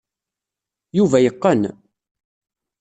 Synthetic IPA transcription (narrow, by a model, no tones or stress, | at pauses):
juvæjəqːən